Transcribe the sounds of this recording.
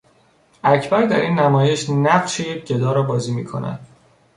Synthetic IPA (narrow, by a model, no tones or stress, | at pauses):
æcʰbæɾd̪æɾʔiːnːæmɒːje̞ʃnæɢʃejec̚ʰɟe̞d̪ɒːɾɒːbɒːziːmiːkʰo̞̰næ̰d̪̥